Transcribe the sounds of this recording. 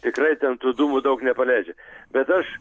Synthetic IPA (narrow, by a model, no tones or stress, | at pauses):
t̪ʲɪkrɐɪt̪ʲɛnt̪uːd̪uːmʊd̪ɐʊknʲɛpɐlʲɛɪd͡ʒʲɛb̥ʲɛt̪ɐʃ